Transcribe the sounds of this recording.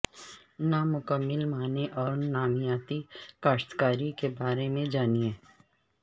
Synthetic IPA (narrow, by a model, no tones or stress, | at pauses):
namʊkəmːɪlmaːneʔɔːɾnaːmijaːt̪ikaːʃt̪kaːɾikebaːɾemẽd͡ʒaːniɛ̃ː